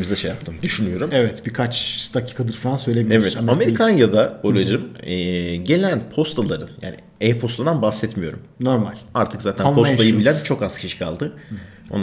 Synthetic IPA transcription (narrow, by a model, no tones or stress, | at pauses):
mizd̪ɛʃejap̚t̪ʰɯmd̪yʃynyjo̞ɾumɛvɛt̪bikʰat͡ʃd̪̥acʰi̥ːkʰad̪ɯɾfalˠansø̞jlʲemievɛt̪ame̞ɾikʰanjad̪abo̞lʲˠod͡ʒɯmɛːɟe̞lʲænpʰost̪ʰalˠaɾɯnja̰ːnḭ | ejpʰo̞st̪ˠand̪anbahsɛt̪mijo̞ɾumnoɾmalʲaɾt̪ʰɯkzaːt̪ʰænpʰost̪ajɯbilʲænt͡ʃʰo̞kazkʰi̥ʃiʃkʰalˠd̪ɯ | o̰